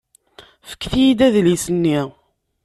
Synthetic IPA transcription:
fə̥kːθjid̪æðlisənːi

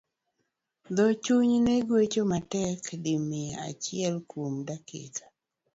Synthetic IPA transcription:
d̪ɔt͡ʃuɲneɡwet͡ʃomatɛkdɪmea̰t͡ʃɪɛlkomdakɪ̰kʰḁ

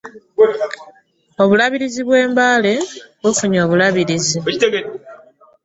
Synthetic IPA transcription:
o̞βulaβiɾiziβwe̞ːmbaːle̞βwefuɲo̞ːβulaβiɾizi

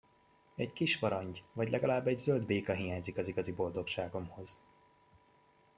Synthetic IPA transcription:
ɛckiʃfɒɾɒɲɟvɒɟlɛɡɒlaːbːɛɟzøld̪beːkɒɦijaːɲzikɒziɡɒzibo̞ld̪o̞kʃaːɡo̞mho̞z̥

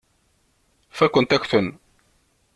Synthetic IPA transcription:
fækʷənt̪æçʷθən

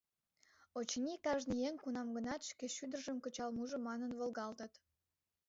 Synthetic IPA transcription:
ot͡ɕnʲikɑʒnijeŋʲkunɑmɡənɑt̪ʃkeʃyd̪ərʒəmkə̆t͡ɕɑlmuʒə̆mɑnənβəlɣɑlt̪ət̪

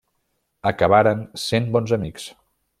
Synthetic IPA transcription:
əkəβ̞aɾənsenbɔnzəmiks

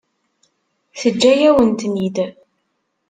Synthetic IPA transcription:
θəd͡ʒːæjæwənt̪nid̪

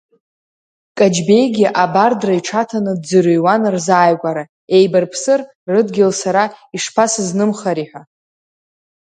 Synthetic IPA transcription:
kʼad͡ʒbe̞jɡʲiʔabardraiʈ͡ʂʰatʰanɨdd͡zɨɾɨjwanrzaːjɡʷʼaɾa | e̞jbarpʰsɨr | rɨdɡʲɪlsaɾaiʂpʰasɨznɨmχaɾiħʷᶣa

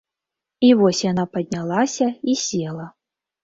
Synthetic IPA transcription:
ivɔsʲjanapɐd̪̚ʲnʲalˠasʲɐisʲelˠɐ

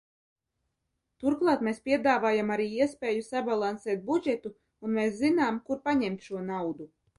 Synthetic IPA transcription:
t̪uɾklˠɑːt̪meːspʲiɛd̪aːvaːjamaɾiːiɛspeːjusabalˠansɛːt̪̚bud͡ʒɛt̪u | unmeːszinaːmkuɾpaɲɛmt̪ʃuɔnawd̪u

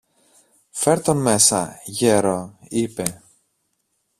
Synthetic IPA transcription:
fe̞ɾt̪onme̞sɐ̰ʝeɾo̞ipe̞

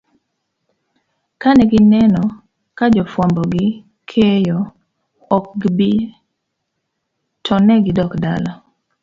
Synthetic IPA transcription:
kanɛɡɪnɛnɔ | kad͡ʒɔfwambɔɡɪ | kʰejɔː | k̚ɡbi | tʰɔnɛɡɪdɔkdalɔ

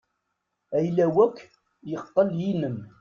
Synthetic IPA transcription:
æjlæwækː | jəqːəljinəm

